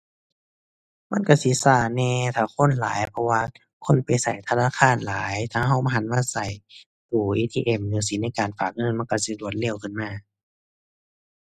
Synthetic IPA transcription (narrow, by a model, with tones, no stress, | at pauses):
ma˧˥˨nka˧˩si˨˦saː˧˩nɛː˧˨t̪ʰaː˧˩kʰo˧˥˨nla̰ː˨˦jpʰɔ˧waː˧ | kʰo˧˥˨npa˨jsa˨˩jt̪ʰa˧naː˧˥˨kʰaː˧˥˨nlaː˨˦jt̪ʰaː˧ɦa˧˩wma˧ɦa˨˦nmaː˧˥˨sa˨˩j | puː˨˩ʔiː˧t̪ʰiː˧ʔe˧˩˨mnɯː˨˦si˨˦na˧˥˨jkaː˨˩nfaː˨˩k̚ŋɤ˧˨nma˧˥˨ka˧˩si˧˦lu˨˧˩ə˦t̪̚le˧˨wkʰɯ˧˨nmaː˧˩